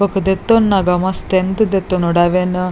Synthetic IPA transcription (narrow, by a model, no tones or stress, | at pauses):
ɐkɨd̪et̪ːonːɐɡamɐst̪end̪ɨd̪et̪ːonoɽaʋen